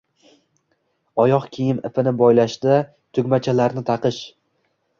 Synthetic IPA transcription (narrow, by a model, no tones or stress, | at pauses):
ɒjɒqkʲʰijɪmɪ̰fɪnɪbɒjlaʃd̪a | t̪ʰʊɡʲmat͡ʃʰalaɾnɪt̪ʰɑqɨʃ